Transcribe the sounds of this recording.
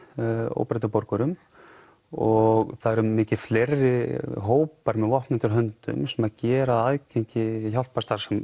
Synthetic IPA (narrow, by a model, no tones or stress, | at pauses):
o̰ːwpɾat̪apɔɾkʏɾʏm | ɔɣθaðɛɾʏmːɪːcɪ̥flerːɪɦoːwpaɾmɛðvɔhpnɛnt̪ʏɾɦœnt̪ʏ̰msɛmaðcɛːɾaðaðcejɲcɪçawl̥t̪past̪aɾ̥sɛm